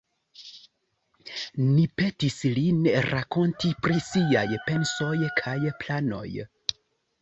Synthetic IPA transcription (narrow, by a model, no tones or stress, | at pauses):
nipe̞tislinɾako̞ntipɾisiajpe̞nso̞jkʰajplano̞̰j